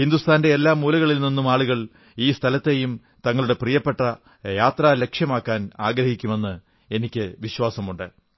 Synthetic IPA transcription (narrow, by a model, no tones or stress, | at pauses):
hind̪ust̪ʰaːnde̞elːaːmuːlɐɣɐɭilninːumaːɭuɣɐɭ | iːst̪ʰɐlɐt̪ːe̞jum | t̪ɐŋːɐɭuɽe̞prijɐpːe̞ʈːɐ | jaːt̪raːle̞kʂjɐmaːkːaːnaːɡɾɐhikʲːume̞nːɨ | e̞nikʲːɨʋiɕwaːsɐmuɳɖɨ